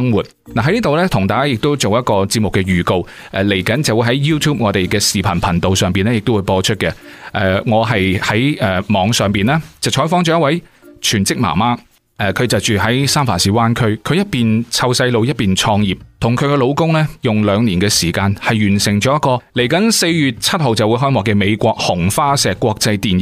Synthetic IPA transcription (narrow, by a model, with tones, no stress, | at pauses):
ŋwuː˨˩t̚ | naː˨˩ɐ˨˦jniː˥t̪o˨wlɛː˥t̪ʰʊ˨˩ŋt̪aː˨jkaː˥jɪ˨k̚t̪o˥wt͡so˨wjɐ˥t̚kɔː˧t͡si˧p̚mʊ˨kːɛː˧ɥyː˨ko˧w | ʔɛ˧le˨˩jkɐ˨˥nt͡sɐ˨wu˨˧jɦɐ˨˥jjuː˥t̪ʰuː˥p̚ŋɔː˨˧t̪e˨jkɛː˧siː˨pʰɐ˨˩npʰɐ˨˩nt̪o˨wsœː˨˩ŋpiː˨nlɛː˥jɪ˨k̚t̪o˥wu˨˧jpɔː˧t͡ʃʰɵ˥t̚kɛ˧ʔɛː˧ŋɔː˨˧ɦɐ˨jhɐ˨˥jɛː˨˧mɔː˨˧ŋsœː˨ŋpiː˨nlaː˥t͡sɐ˨wt͡ʃʰɔː˨˥jfɔː˥ŋt͡ʃɔ˨˦jɐ˥t̚wɐ˨˥jt͡ʃʰyː˨˩nt͡sɪ˥k̚ma̰ː˨˩maː˥ | ʔɛ˧˩kʰɵ˨˧ɥt͡sɐ˨˩wt͡ʃyː˨ɦɐ˨˥jsaː˥mfaː˨˩siː˨˥waː˥nkʰɵ˥ɥkʰɵ˨˧jɐ˥t̚piː˨nt͡sʰɐ˧wsɐ˧jlo˨˧wjɐ˥t̚piː˨nt͡ʃʰɔː˧ŋjiː˨p̚t̪ʰʊ˨˩ŋkʰɵ˨˧ɥkɛ˧lo˨˧wkʊ˥ŋlɛː˥jʊ˨ŋlœː˨˧ŋniː˨˩nkɛː˧siː˨˩kaː˧nhɐ˨jɥyː˨˩nsɪ˨˩ŋt͡ʃɔː˨˥jɐ˥t̚kɔː˧le˨˩jkɐ˨˥nse˧jjyː˨˩t̚t͡sʰɐ˥t̚ho˨wt͡sɐ˨wu˨˧jɦɔː˥jmwɔː˨˩kɛː˧me˨˧jkʷɔː˧k̚hʊ˨˩ŋfaː˥sɛː˨kːʷɔː˧k̚t͡sɐ˧jt̪iː˨nj